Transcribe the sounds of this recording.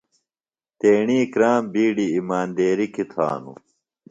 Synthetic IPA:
t̪eːɳiːkɾaːmbiːɖiːmaːnd̪eːɾikit̪ʰa̰ːnṵ

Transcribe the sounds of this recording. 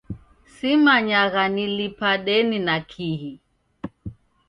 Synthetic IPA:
simaɲaɣanilipaɗɛninakʰiɦi

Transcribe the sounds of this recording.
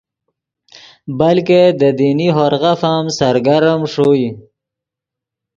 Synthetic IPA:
balked̪əd̪iniɦoɾɣafamsaɾɡaɾəmʂoi

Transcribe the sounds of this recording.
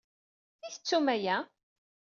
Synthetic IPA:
θiθət͡sːumæjæ

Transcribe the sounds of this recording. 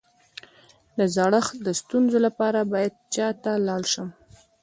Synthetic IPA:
d̪əzɑɽəxd̪əst̪unzolapɑɾabɑjad̪̚t͡ʃɑt̪alɑɽʃəm

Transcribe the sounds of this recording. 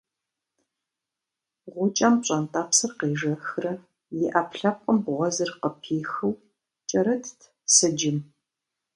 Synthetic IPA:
ʁʷʊt͡ʃʼɐmɕʼɐntʼaːpsɨrqeːʒɐxrɐ | jɪʔaːpɬɐp̚ʷʼəmbʁʷɔzɨrqəpʰiːxɨw | t͡ʃʼɐɾɐtʰtʰ | sɨd͡ʒɪm

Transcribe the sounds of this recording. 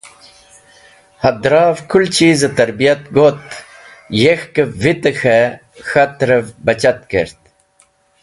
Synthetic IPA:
hɐd̪ɾɑːvkʰult͡ɕʰiːzɐt̪ɐɾbijɐt̪̚ɡot̪ | jexkɐvit̪ɐxe | xɐt̪ɾɐvbɐt͡ɕɐt̪̚kḛɾt̪̚

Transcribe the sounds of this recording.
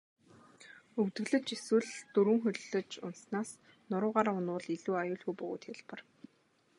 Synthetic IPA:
ɵkt̪ɘ̆ɣɮɘ̆t͡ɕeswɘ̆ɮt̪ɵɾwɘ̆ŋxɵɮɮɵ̆t͡ɕʊ̰nsnaːs | nʊɾʊːʁaːɾaʊnʊːɮiɮuːajʊːɮxujpɵɣoːt̪xeɮpə̆r

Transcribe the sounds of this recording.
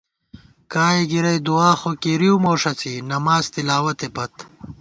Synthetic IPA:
kaːiɡiɾɐjd̪uaːxokiɾiumoːʂɐt͡sinɐmaːzt̪ilaːwɐt̪epɐt̪

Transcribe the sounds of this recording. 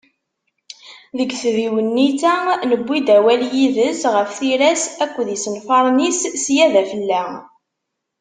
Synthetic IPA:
ðəɡθviwənːit͡sænəbʷːid̪æwæljiðəsʁəfθiɾæsækʷːðisənfɑɾˤnissjæðæfəlːæ

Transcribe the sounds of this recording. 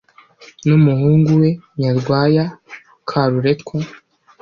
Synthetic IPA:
numuhuːŋɡuwe̞ɲaɾɡwaːja | kʰaɾuɾe̞tkwo

